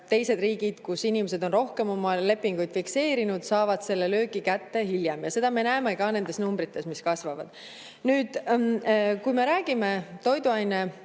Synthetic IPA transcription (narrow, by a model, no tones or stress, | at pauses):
t̪e̞jse̞d̪riːɡid̪̥kusinimese̞d̪o̞nro̞hke̞mo̞mɑle̞pːiŋɡ̥ujd̪̥fikse̞ːɾinud̪̥sɑːvɑd̪̥se̞lːe̞lø̞ːɡ̥ikæt̪ːe̞hiljemjɑse̞d̪ɑme̞næemekɑne̞nd̪e̞snumbɾit̪ːˑe̞smiskɑsvɑvɑ̰d̪̥ | nyːd̪̥ | kujme̞ɾæːɡ̥ime̞t̪o̞jd̪uɑjne